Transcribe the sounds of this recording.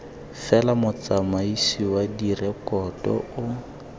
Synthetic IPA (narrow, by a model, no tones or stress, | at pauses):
fɛlamʊt͡samaisiwadirɛkɔtɔ̰ʊ